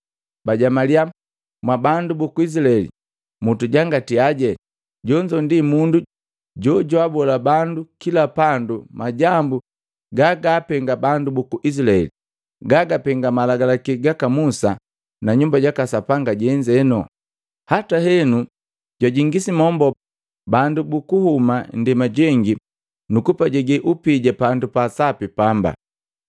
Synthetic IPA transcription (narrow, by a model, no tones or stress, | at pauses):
baɟamaliam | mwabandubukuis̬ilaɛlḭ | mutuɟaŋɡatiaɟɛ | ɟɔɲd͡ʒɔndimundu | ɟɔɟwabɔlabandukilapandumaɟambu | ɡaɡaːpɛŋɡabandubukuʔis̬ilaɛ̰li | ɡaɡapɛŋɡamalaɡalakɛɡakamusa | naɲumbaɟakasapaŋɡaɟɛɲd͡ʒɛnɔ̰ | hatahɛnu | ɟwaɟiŋɡisimɔmbɔ | bandubukuhumandɛmaɟɛŋɡi | nukupaɟɛɡɛʔupiɟapandupasapipamba̰